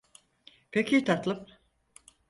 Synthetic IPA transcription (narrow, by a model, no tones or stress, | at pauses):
pʰecʰit̪ʰat̪lˠɯm